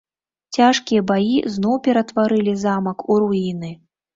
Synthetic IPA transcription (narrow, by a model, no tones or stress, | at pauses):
t͡sʲaʂkʲijɐbajḭznɔwpʲɛɾɐt̪vaɾɨlʲizamɐkuɾuinɨ